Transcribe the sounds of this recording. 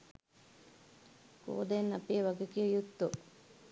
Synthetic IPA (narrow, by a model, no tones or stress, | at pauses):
ko̰ːd̪enːɐpiʋɐɡekijəjut̪ːo